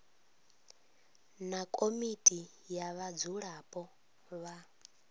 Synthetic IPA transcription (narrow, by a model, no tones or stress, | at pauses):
nakʼomitʼi | jaβad͡zuɺapʼɔ | βa